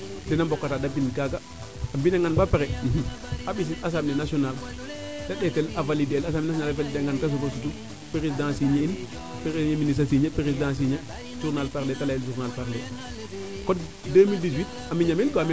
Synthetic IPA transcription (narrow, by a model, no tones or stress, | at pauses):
dɛnambɔkːatadabinkaɡa | ambinaŋɡanbapeɾɛ | abis̬ias̬amnenasional | daɗɛtɛlavalidelasamnas̬ɔnalvalideŋɡankas̬ukosutu | peɾesidãsiɲein | peɾeɲeminis̬asiɲepeɾesidãːs̬iɲe | ʒuɾnalpaɾletalajeld͡ʒuɾnalpaɾle | kɔt | demildis̬wit̚ | amiɲamilkoam